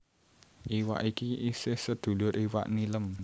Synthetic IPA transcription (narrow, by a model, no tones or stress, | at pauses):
ʔiwa̰ʔikiisɪhsəd̪̥ṳlʊɾʔiwa̰ʔniləm